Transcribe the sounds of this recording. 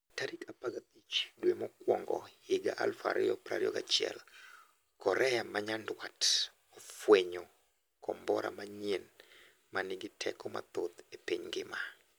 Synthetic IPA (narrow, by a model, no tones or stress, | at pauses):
taɾikapaɡat̪it͡ʃdwemɔkwɔ̰ŋɡɔ̰jeɡaʔalfa̰ɾiɔpɾaɾjɔ̰ɡat͡ʃiɛ̰l | kɔɾɛjamaɲandwat | ɔfweɲo | kʰɔmbɔɾa̰maɲen | manɪɡɪtʰɛ̰kɔma̰t̪ot̪epiɲɡɪma